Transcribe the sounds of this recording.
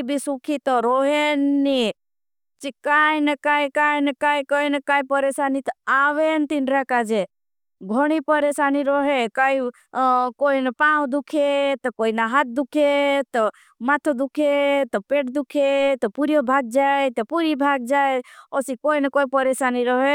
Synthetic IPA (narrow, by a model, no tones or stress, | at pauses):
bʱisukʰit̪ɔɾoɦenːi | t͡ʃikajnəkaːikajnɐkaːikɔinəkaːipəɾeːsaːnit̪aːʋent̪inɾakad͡ʒe | ɡʱoɽ̃ipəɾesaniɾoɦekai | koinəpawd̪ukʰet̪ɔkoinaɦat̪̚d̪ukʰet̪ɔ | mat̪ʰod̪ukʰet̪ɔpeːʈd̪ukʰet̪ɔpuɾjɔbʱaːɡ̚d͡ʒaet̪ɔpuɾibʱaɡ̚d͡ʒaeosikoinəkoipəɾesaːniɾɔɦe